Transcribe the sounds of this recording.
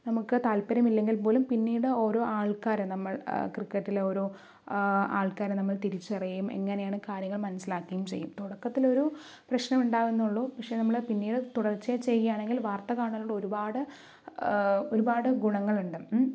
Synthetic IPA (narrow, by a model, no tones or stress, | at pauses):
nɐmukːɨt̪aːlpɐɾɐmilːe̞ŋɡilpo̞ːlumpinːiːɽɨo̞ːɾo̞ːaːɭkaːɾenɐmːɐɭkrikːɐtːileo̞ːɾoː | a̰ːɭkaːɾenɐmːɐɭt̪iɾit͡ɕːɨɐrijɐjume̞̰ŋːɐne̞jaːɳɨkaːɾjɐŋːɐɭmɐnɐsilaːkːɐjumt͡ɕejːumt̪oɽɐkːɐt̪ːilo̞ɾu | prɐɕnɐmuɳɖaːʋunːuɭːuːpɐkʂe̞ːnɐmːɐɭpinːiːɽɨt̪uɽɐrt͡ɕːeːt͡ɕe̞jːijaːɳeŋɡilʋaːrt̪ɐkaːɳɐlːuɽoɾubaːɽɨ | o̞ɾubaːɽɨɡuɳɐŋːɐɭuɳɖɨ